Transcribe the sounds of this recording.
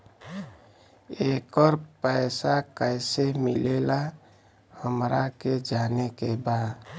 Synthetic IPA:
eːkɔɾpəɪsakəɪsemɪlela | həmɾaked͡ʒaːnekebaːd̪

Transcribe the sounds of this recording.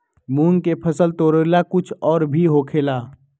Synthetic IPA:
muːnkepʰəsəlt̪oːɾeːlakʊt͡ʃʰɔːɾbʱiɦokʰeːlaː

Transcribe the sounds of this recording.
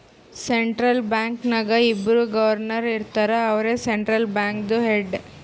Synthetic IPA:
seɳʈɾɐlbaːŋknɐɡɐibːɐɾuɡɐʋɐɾnɐɾiɾt̪aːɾɐɐʋɐɾeseɳʈɾɐlbaːŋkd̪uɦeɖ

